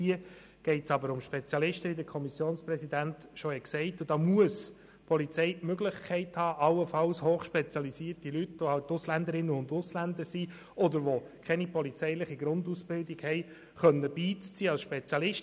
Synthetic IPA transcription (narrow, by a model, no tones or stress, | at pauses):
iə | ɡ̥ɛɪtsɑbəɾʊmʃpɛt͡sjɑlɪʃtəidəkʰɔmisjoːnsprɛsid̪æntʃɔhɛksɛɪtʊd̥ɑːmuəs | pʰɔlit͡sɛɪmøɡlɪχkʰɛɪthɑːʔɑwəfɑlshoːχʃpɛt͡sjɑlisiːəɾtilytʋohɑʊtʊslænd̪əɾɪnːəʊnd̪ʊslænd̪əsi | ɔdəɾʋɔkʰɛnipɔlit͡sɛɪlɪχiɡɾʊnd̪usb̥ɪldiɡ̥hɛɪ | χœnːəb̥iːt͡st͡siːɑlsʃpet͡sjɑlɪʃt